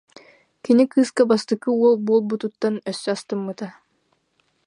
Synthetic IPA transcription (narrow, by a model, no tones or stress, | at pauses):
kinikʰɯskabast̪ɯkɯuolˠbuolˠbut̪ut̪ːanœsːast̪ɯmːɯt̪a